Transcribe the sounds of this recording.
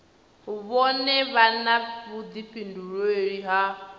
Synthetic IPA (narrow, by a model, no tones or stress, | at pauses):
ɦuβɔnɛβanaβud̪ipinduɺɔeɺiɦa